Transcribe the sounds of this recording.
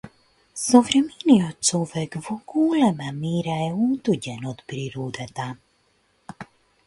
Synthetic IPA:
sɔvɾminiɔt͡sɔvɛkvɔkuːlɛmamiɾajuːt̪uɟɛnɔt̪bɾiɾuːd̪ɛt̪a

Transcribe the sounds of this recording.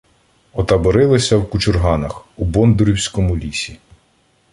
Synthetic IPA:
ɔt̪ɐbɔɾɪlˠɪsʲɐwkʊt͡ʃʊrɦɑnɐxubɔnd̪ʊɾʲiwsʲkɔmʊlʲisʲi

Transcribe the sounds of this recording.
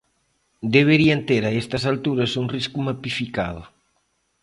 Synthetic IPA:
d̪eβ̞eɾiant̪eɾaest̪ɐsalt̪uɾɐsuŋriskumapifika̰ðʊ̰

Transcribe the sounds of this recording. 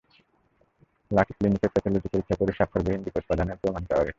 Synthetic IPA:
laʈʰi̥klinikeɾpat̪ʰaloʈipoɾikʰːapoɾiʃakʰːoɾbeɦind̪ikot̪̚pad̪aneɾpɾomankaa̰ɾe

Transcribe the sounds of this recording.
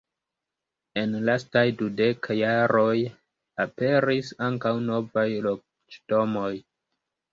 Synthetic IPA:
e̞nlastajdudekajaɾo̞j | ape̞ɾisaŋkawno̞vajlo̞k̚ | t͡ʃtomo̞j

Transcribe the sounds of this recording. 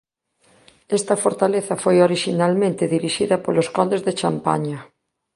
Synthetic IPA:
ɛst̪ɐfoɾt̪aleθɐfojoɾiʃinalmẽnt̪ɪðiɾiʃiðɐpoloskond̪ezðet͡ʃampa̰ɲɐ

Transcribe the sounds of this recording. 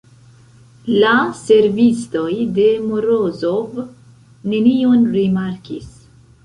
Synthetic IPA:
lase̞ɾvisto̞jde̞moɾozo̞v | ne̞nionɾimaɾkis

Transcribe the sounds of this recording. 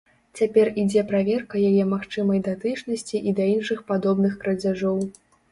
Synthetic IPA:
t͡sʲapʲɛrid͡zʲɛpɾavʲɛrkɐjajɛmaxt͡ʂɨmɐjd̪at̪ɨt͡ʂnɐsʲt͡sʲiʔid̪ɐinʂɨxpad̪ɔbnɨxkɾɐd͡zʲaʐɔw

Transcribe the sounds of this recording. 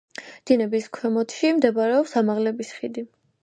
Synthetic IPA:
d̪̥inɛbiskʰwɛmɔt̪ʰʃimd̪ɛbaɾɛɔpsamaʁlɛbisχid̪i

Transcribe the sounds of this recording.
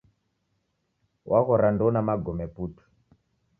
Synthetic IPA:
wʔaɣɔɾandonamaɡʱomepuːtu̥

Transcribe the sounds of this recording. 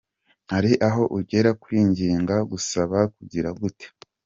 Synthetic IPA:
haɾiʔaɦo̞ʔuɾɟe̞ɾakuiːɲɟiːŋɡaɡusaβakuɟiɾaɡute̥

